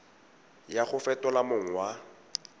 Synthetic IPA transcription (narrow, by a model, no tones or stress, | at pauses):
jaχʊfɛtʼɔlamoŋ̩wa